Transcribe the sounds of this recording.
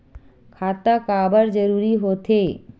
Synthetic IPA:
kʰat̪akabaɾd͡ʑəɾuɾiɦot̪ʰe

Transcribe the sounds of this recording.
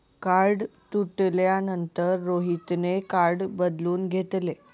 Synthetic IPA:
kaɾɖt̪uʈljanənt̪əɾːoɦit̪nekaɾɖbəd̪luːnɡʱet̪le

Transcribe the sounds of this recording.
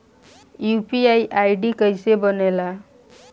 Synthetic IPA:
jupiajʔajɖikʌjsebʌnela

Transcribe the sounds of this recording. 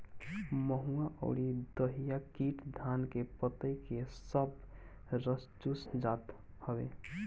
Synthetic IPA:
məɦuaʔə̰ʊɽid̪əɦijakiʈd̪ʱankepət̪əikesəb | ɾəst͡ʃusd͡ʒat̪ | həbḛ

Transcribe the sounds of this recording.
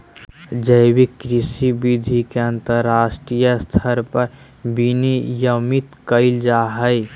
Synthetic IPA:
d͡ʒəɪwikːɾɪʃibid̪ʱikeə̃nt̪əɾːaːsʈɾijəst̪ʰəɾpəɾ | binejəmɪt̪kəɪld͡ʒaːɦəɪ

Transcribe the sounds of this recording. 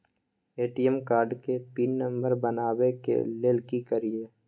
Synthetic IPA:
eːʈiəmkaːɾɖkepiːnːə̃mbəɾbənaːwekḛleːlkikəɾieː

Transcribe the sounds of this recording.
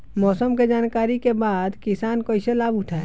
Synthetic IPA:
mɔːsəmked͡ʒaːnkaːɾikebaːd̪kɪsaːnkɔɪselaːbʊʈʰa

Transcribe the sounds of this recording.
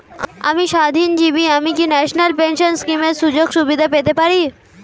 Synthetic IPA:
a̰miʃaːd̪ʱind͡ʒibiamikinɛʃnəlpenʃənskimesud͡ʒoɡsubid̪ʱapet̪epaɾi

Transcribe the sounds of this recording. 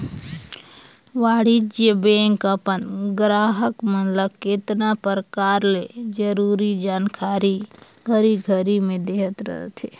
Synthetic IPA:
ʋaːɽid͡ʒjəbẽːŋkəpənɡɾaːɦəkmənləkːɪt̪napəɾəkaːɾled͡ʒəɾuːɾid͡ʒaːnkaːɾiɡʱəɾiɡʱəɾimẽd̪eːɦət̪ɾə̰ɦə̰t̪ʰeː

